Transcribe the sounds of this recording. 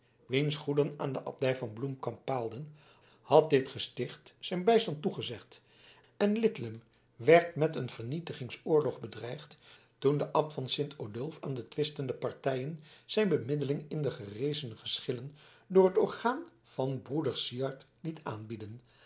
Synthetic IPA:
ʋejnsχudənaːndəʔɑ̰p̚dɛjvɑnblumkɑmpːaːlˠdən | hɑt̚dɪtχəstɪχtsɛjnbɛjstɑntuχəzɛχt | ɛnlɪtləm | ʋɛɹtmɛtənv̥əɹnitəχɪŋsʊːɹlɔχbədrɛjχt | tundəʔɑpfɑnsɪntʰodɵlˠfa̰ːndətʋɪstəndəpɑɹtɛjənz̥ɛjnbəmɪdəlɪŋɪndəχərejzənəχəsχɪlən | dʊːrɦətɔɹχaːn | v̥ɑnbrudəɹsiɑɹt | litʰaːnbidən

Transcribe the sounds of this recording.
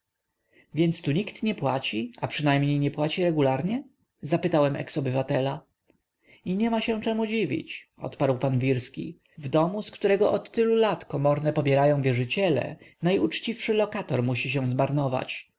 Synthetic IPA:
vʲjɛnt̪st̪uɲikt̪ɲɛpwat͡ɕiapʂɘnajmɲejɲɛpwat͡ɕiɾɛɡulaɾɲɛ | zapɘt̪awɛmʔɛ̰ksɔbɘvat̪ɛla | iɲɛmaɕɛ̃t͡ʂɛmud͡ʑivʲḭt͡ɕɔ̰t̪paɾwpanvʲiɾskʲḭ | vd̪ɔmuskt̪uɾɛɡɔʔɔt̪ːɘlulat̪kɔmɔɾnɛpɔbʲjɛɾajɔ̃w̃vʲjɛʐɘt͡ɕɛlɛ̰najut͡ʂt͡ɕifʂɘlɔkat̪ɔɾmuɕiɕ̬ɛ̃w̃zmaɾnɔva̰t͡ɕ

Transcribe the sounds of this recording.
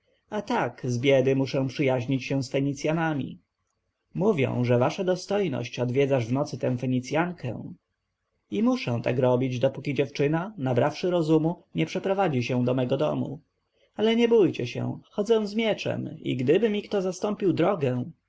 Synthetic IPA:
at̪akzbʲjɛd̪ɘmuʂɛ̃w̃pʂɘjaʑɲit͡ɕɕɛw̃sfɛɲit̪sʲjanamʲḭ | muvʲjɛ̰̃w̃ʐɛvaʂad̪ɔst̪ɔjnɔ̰ɕt͡ɕɔd̪vʲjɛd̪zaʐvnɔt̪sɘt̪ɛ̃w̃fɛɲit̪sʲjaŋkʰɛ̰̃w̃ | imuʂɛ̃w̃t̪a̰kɾɔbʲid͡ʑd̪ɔpukʲid͡ʑɛft͡ʂɘnanabɾafʂɘɾɔzumuɲɛpʂɛpɾɔvad͡ʑiɕɛw̃d̪ɔmɛɡɔd̪ɔ̰mṵ | alɛɲɛbujt͡ɕɛɕɛ̰̃xɔd̪zɛ̃w̃zmʲjɛt͡ʂɛ̰mḭɡd̪ɘbɘmʲikt̪ɔzast̪ɔmpʲiwd̪ɾɔɡɛ̃w̃

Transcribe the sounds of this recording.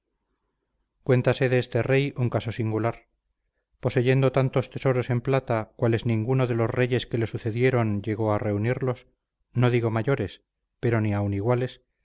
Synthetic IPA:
kwe̞nt̪ase̞ðeest̪e̞re̞juŋkaso̞siŋɡulaɾ | po̞se̞ʝe̞nd̪o̞t̪ant̪o̞st̪e̞so̞ɾo̞se̞mplat̪akwale̞znĩŋɡunoðe̞lo̞sre̞ʝe̞ske̞le̞suθe̞ðje̞ɾo̞nʎe̞ɣo̞are̞uniɾlo̞s | no̞ðiɣo̞maʝo̞ɾes | pe̞ɾo̞niauniɣwale̞s

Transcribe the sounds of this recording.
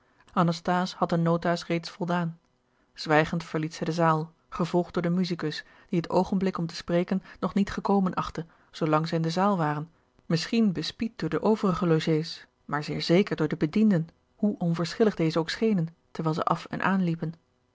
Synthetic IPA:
ʔɑnɑstaːshɑt̚dənowtaːsrejtsfɔlˠdaːn | z̥ʋɛjχəntfəɹlitsɛjdəzaːlˠ | χəvɔlˠχd̥̚ʊːɹdəmyzikɵs | d̥iɦəto̰wχənblɪkɔmtə̥sprejkənːɔχnitχəkowmənʔɑχtə | z̥olɑŋzɛjɪndəzaːlˠʋaːrən | mɪsχinbəspit̚dʊːɹdəʔowvərəχəloʒejs | maːɹzɪːɹzejkəɹdʊːɹdəbədindən | huʔɔnvəɹsχɪləχdejzəowksχejnən | təɹʋɛːlˠzə̰ʔɑfɛ̰nʔa̰ːnlipən

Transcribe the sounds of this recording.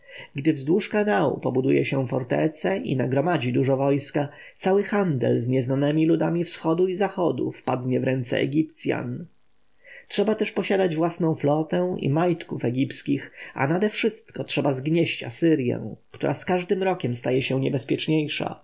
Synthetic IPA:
ɡd̪ɘvzd̪wuʂkanaṵpɔbud̪ujɛɕɛ̃fɔɾt̪ɛ̰t̪sɛʔḭnaɡɾɔmad͡ʑid̪uʐɔvɔjska | t̪sawɘxand̪ɛ̰lzɲɛznanɛmʲilud̪amʲifsxɔd̪uizaxɔd̪ṵfpad̪ɲɛvɾɛnt̪sɛ̰ɛ̰ɡʲipt̪sʲja̰n | tʂɛbat̪ɛʂpɔɕad̪ad͡ʑvwasnɔ̃w̃flɔt̪ɛ̃ʔḭmajt̪kufɛɡʲipskʲixa̰nad̪ɛfʂɘst̪kɔtʂɛbazɡɲɛɕt͡ɕa̰sɘɾjɛ̰̃w̃kt̪uɾʔaskaʐd̪ɘmɾɔkʲɛmst̪ajɛɕɛ̃ɲɛbɛspʲjɛt͡ʂɲejʂa̰

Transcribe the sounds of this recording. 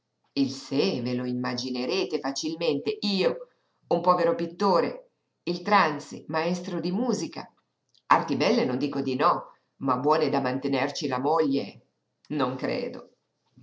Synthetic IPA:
ilseveloimːad͡ʒineɾeːt̪efat͡ʃilment̪eiːo | umpɔːveɾopit̪ːoːɾe | ilt̪ɾansimaɛst̪ɾod̪imuːzika̰ | art̪ibɛlːenond̪iːkod̪inɔ | mabwɔːned̪amant̪enert͡ʃilamoʎːe | noŋkɾḛːd̪o̰

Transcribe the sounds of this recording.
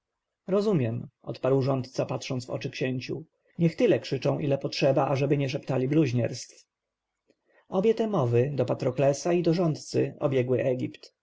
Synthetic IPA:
ɾɔzumʲjɛmʔɔ̰t̪paɾwʐɔnt̪t̪sapatʂɔnt̪vɔ̰t͡ʂɘkɕeɲt͡ɕṵ | ɲɛxt̪ɘlɛkʂɘt͡ʂɔ̃w̃ʔilɛpɔtʂɛbaʔaʐɛbɘɲɛʂ̬ɛpt̪alʲibluʑɲɛɾst̪f | ɔbʲjɛt̪ɛmɔvɘd̪ɔpat̪ɾɔklɛsaid̪ɔʐɔnt̪t̪sɘɔ̰bʲjɛɡwɘʔɛɡʲipt̪

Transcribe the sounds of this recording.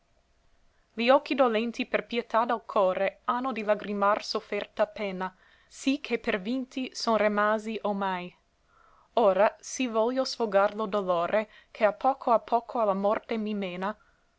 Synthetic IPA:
liɔkːid̪olɛnt̪iperpjet̪ad̪alkʰɔːɾeanːod̪ilaɡɾimarsofɛrt̪apɛːnːa | sikʰepervint̪isonrimaːziʔomaj | oːɾasivɔljosfoɡarlod̪oloːɾʔe | kʰeapʰːɔːkʰoapʰːɔːkʰoalamɔrt̪emimeːna

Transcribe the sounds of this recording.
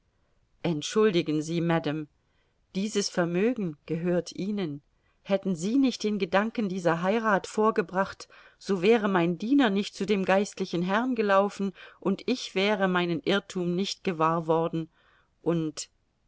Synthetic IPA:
ʔɛntʃʊldɪɡn̩ziːmɛdam | d̥iːzəsfɛɐmøːɡŋ̩ɡ̥əɦøːɐtʰʔiːnən | hɛtn̩ziːnɪçt̚d̥eːnɡədaŋkn̩diːzɐɦaɪʁaːtfoːɐɡəbʁaχt | z̥oːvɛːʁəmaɪndiːnɐnɪçt̚t͡sudeːmɡaɪstlɪçn̩ɦɛʁnɡəlaʊfn̩ʔʊntɪçv̥ɛːʁəmaɪnənʔɪɐtʰuːmnɪçtɡ̥əvaːɐvɔɐdn̩ | ʔʊnt

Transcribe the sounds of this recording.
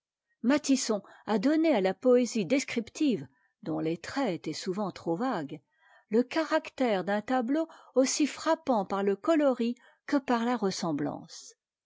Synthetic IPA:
mat̪isɔ̃ad̪ɔnealapɔezid̪eskχipt̪iv | d̪ɔ̃let̪χɛt̪ɛsuvɑ̃t̪χovaɡ | ləkaʁakt̪ɛʁd̪ɛ̃t̪abloosifχapɑ̃paʁləkɔlɔʁi | kəpaʁlaʁəsɑ̃blɑ̰̃s

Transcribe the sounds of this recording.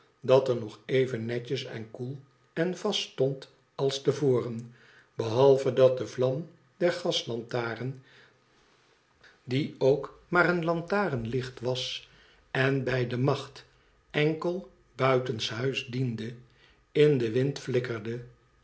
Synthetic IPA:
dɑtəɹnɔχejvənːɛcəsɛ̰nkulˠ | ɛnvɑstɔnt | ɑlˠstəvoːrən | bəɦɑlˠvədɑt̚dəvlɑm | d̥ɛɹχɑslɑntaːrən | diowkmaːɾənlɑntaːrənlɪχtʋɑs | ɛnbɛjdəmɑχt | ɛŋkəlˠ | bœɥtənsɦœɥzdində | ɪndəʋɪntflɪkərdə

